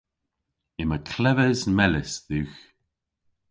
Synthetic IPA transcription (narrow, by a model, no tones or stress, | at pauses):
ɪməkʰlɛvəzmɛlɪsðʉːx